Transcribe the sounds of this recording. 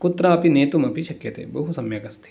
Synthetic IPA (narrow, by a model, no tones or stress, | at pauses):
kʊt̪ːɾaːpineːt̪umɐpiʃɐkjɐt̪ḛːbɐɦusɐmjɐkɐst̪ʰi̥